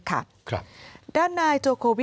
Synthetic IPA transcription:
kʰa̰˥˩ | kʰdaː˥˩nːaː˧jt̪u˧ɐkʰoː˧wi˦˥

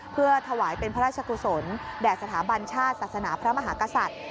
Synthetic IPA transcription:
pʰɯ˥˩ɐt̪ʰa˧waː˩˦jpe˧npʰa˦ɾaː˥˩t͡ɕʰa˧kʰu˧˩so˩˦ndɛː˨˩k̪̚sa˧t̪ʰaː˩˦ba˧nt͡ɕʰaː˥˩t̪̚saː˨˩sa˧naː˩˦pʰɾa˦˥ma˧ɦaː˩˦ka˧sa˨˩t̪̚

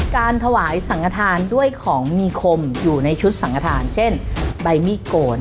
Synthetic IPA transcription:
kaː˧nt̪ʰa˧waː˩˦jsa˩˦ŋka˧t̪ʰaː˧ndu˥˩əjkʰɔː˩˦ŋmiː˧kʰo˧mjuː˨˩na˧jt͡ɕʰu˦˥t̪̚sa˩˦ŋka˧t̪ʰaː˧nt͡ɕʰe˥˩nba˧jmiː˦˥˩koː˧n

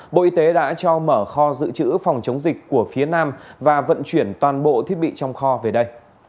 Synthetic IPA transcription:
ɓo̰˧˨ʔi˧t̪e˨˦ɗa̰ː˧˥t͡ɕɔ˧məː˧˩xɔ˧zɨ̰˧˨t͡ɕɨ̰˧˥fɔ˨˩wŋ͡mt͡ɕə˨˦wŋ͡mzï˨˩k̟̚ku˧˩əfi˨˦ənaː˧mvaː˨˩və̰˧˨nt͡ɕwi˧˩ənt̪waː˨˩nɓo̰˧˨t̪ʰi˦˥ət̚ɓḭ˧˨t͡ɕɔ˧wŋ͡mxɔ˧ve˨˩ɗə˧j

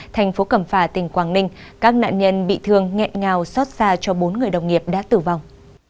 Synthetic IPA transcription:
t̪ʰa˨˩jŋ̟fo˨˦kə˧˩mfaː˧˩t̪ï˨˩ŋ̟kwaː˧˩ŋnï˧ŋ̟kaː˦˥k̚na̰ː˧˨nɲə˧nɓḭ˧˨t̪ʰɨ˧əŋŋɛ̰˧˨nŋaː˨˩wsɔ˦˥t̚zaː˧t͡ɕɔ˧ɓo˨˦nŋɨ˨˩əjɗə˨˩wŋ͡mŋi˨˩əp̚ɗa̰ː˧˥t̪ɨ˧˩va˨˩wŋ͡m

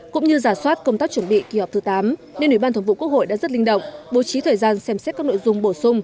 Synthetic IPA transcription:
kʊ̰˧˥ŋ͡mɲɨ˧zaː˧˩swaː˦˥t̚kə˧wŋ͡mt̪aː˦˥k̚t͡ɕwə˧˩nɓḭ˧˨ki˨˩hɔ˨˩p̚t̪ɨ˨˦t̪aː˨˦mne˧nwi˧˩ɓa˧nt̪ʰŋvṵ˧˨ku˦˥ək̚ho̰˧˨jɗa̰ː˧˥zə˦˥t̚li˧ŋ̟ɗə̰˧˨wŋ͡mɓo˨˦t͡ɕi˨˦t̪ʰəː˨˩jzaː˧nsɛ˧msɛ˦˥t̚kaː˦˥k̚no̰˧˨jzʊ˧ŋ͡mɓo˧˩sʊ˧ŋ͡m

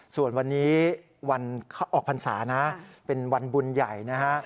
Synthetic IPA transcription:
su˨˩ənwa˧nːiː˦˥ | wa˧nkʰa˥˩ʔɔː˨˩k̚pʰa˧nsa̰ː˩˦na˦˥pe˧nwa˧nbu˧nja˨˩jna˦˥kʰa˦˥ʔ

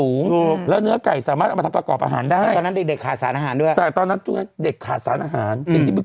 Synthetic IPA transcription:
uː˩˦ŋ˧lɛː˦˥wnɯ˦˥ɐka˨˩jsaː˨˩˦maː˦˥˩t̪ʔ̪ʰa˧pɾa˧kɔː˨˩p̚ʔa̰ː˧ɦaː˩˦ndaː˥˩jɔ˧nːa˦˥de˨˩k̚de˨˩kʰːaː˨˩t̪̚saː˨˩˦nʔaː˧ɦaː˩˦ndu˥˩əjt̪ɛː˨˩t̪ɔː˧nːa˦˥t̪u˨˧˩na˦˥de˨˩kʰːaː˨˩t̪̚sa̰ː˩˦nʔaː˧ɦaː˩˦ni˧nt̪ʰiː˥˩bi˧˩

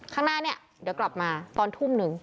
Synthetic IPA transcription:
kʰaː˥˩ŋnaː˥˩ni˦˥˩ɐ | dɯ˩˦wkla˨˩p̚maː˧t̪ɔː˧nt̪ʰu˦˥˩mnɯ˧ŋ

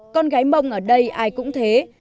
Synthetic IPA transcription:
kɔ˧nɣaː˨˦jmə˧wŋ͡mʔəː˧˩ɗə˧jʔaː˧jkʊ̰˧˥ŋ͡mt̪ʰe˨˦

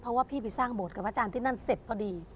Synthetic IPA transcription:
pʰɔ˧waː˥˩pʰiː˥˩pʰi˧˩saː˥˩ŋbo˨˩t̪̚ka˨˩ʔa˧t͡ɕaː˧nt̪ʰiː˥˩na˥˩˨nse˨˩t̪̚ʰːɔ˧˥diː˧

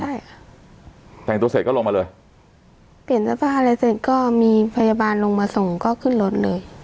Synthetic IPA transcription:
a˥˩j | t̪ʰɛ˨˩ŋt̪u˧se˨˩t̪̚kɔ˥˩lo˧ŋma˧lɤː˧j | pi˨˩əna˧˩pʰa˧˩aː˧la˧se˨˧˩t̪̚kɔː˥˩miː˧pʰa˧jaː˧baː˧nlo˧ŋmaː˧so˨˩ŋkɔː˥˩kʰɯ˥˩nlo˦˥t̪̚lɤː˧j

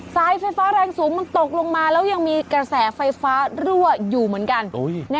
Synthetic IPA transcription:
saː˦˥jfa˧jfaː˦˥ɾɛː˧ŋsuː˩˦ŋma˧nt̪o˨˩k̚lo˧ŋmaː˧lɛː˦˥wja˧ŋmiː˧kɾa˧sɛː˩˦fa˧jfaː˦˥ɾu˥˩əjuː˨˩mɯ˩˦ənka˧nnɛ˦˥

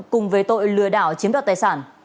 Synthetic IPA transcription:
kʊ˨˩ŋ͡mvəː˨˦jt̪o̰˧˨jlɨ˧əɗaː˧˩wt͡ɕi˨˦əmɗa˨˩t̪aː˨˩jsaː˧˩n

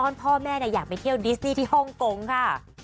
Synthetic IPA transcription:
ɔː˧˩npʰɔː˥˩mɛː˥˩ni˧˥˩jaː˨˩k̚pa˨jt̪ʰi˥˩əwdi˦˥sniː˥˩t̪ʰiː˥˩hɔ˥˩ŋko˧ŋkʰa˥˩

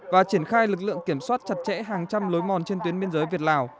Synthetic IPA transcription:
vaː˨˩t͡ɕi˧˩ənxaː˧jlɨ˨˩k̬̚lɨ̰˧˨əŋki˧˩əmswaː˦˥t̚t͡ɕa˨˩t̚t͡ɕɛ̰˧˥ɦaː˨˩ŋt͡ɕa˧mlo˨˦jmɔ˨˩nt͡ɕe˧nt̪wi˨˦ənɓi˧ənzəː˨˦jvi˨˩ət̚laː˨˩w

